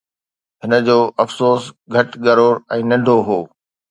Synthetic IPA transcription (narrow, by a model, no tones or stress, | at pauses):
ɦɪnə̆d͡ʑoːʔɐfsoːs | ɡʱɐʈɠɐɾoːɾɛ̃ːnɐ̃ɳɖʱoɦoː